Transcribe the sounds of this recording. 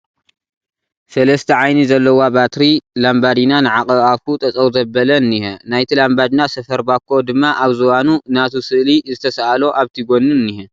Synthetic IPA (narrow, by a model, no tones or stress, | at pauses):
sɐlɐst̪ʰɐʕajnizɐlːɐwabat̪ɾilambad̪inanɨʕakʼɐβaβkut̪ʼɐt͡sʼɐwzɐbɐlɐnihɛnajt̪ʰilambad̪inasɐfɐɾbakʰːo̞d̪ɨmːaʔaβzɨwanunat̪ʰusɨʔlizɨt̪ʰɐsaʔalo̞ʔaβt̪ʰiɡo̞nːunihɛ